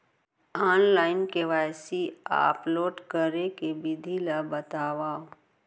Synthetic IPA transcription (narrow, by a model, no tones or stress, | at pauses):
aːnlaːɪnkeʋaːjsia̰ːploːʈkəɾekebɪd̪ʱilabət̪aːʋaːo